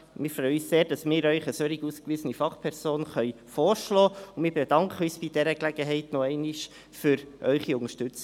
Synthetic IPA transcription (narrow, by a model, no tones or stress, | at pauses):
mɪːɾfɾœjəysseːɾd̥ɑsmɪːɾœʏχəsœɾiɡuːskʋizənifɑχpʰɛɾz̥oːnχœʏ | fɔːɾʃlɔːʊnmɪːɾbɛdɑŋkχəœsb̥idɛɾəklæɡəɦɛɪtnɔɛɪniʃ | fʏɾʔœʏχiʊŋəʃtʉt͡s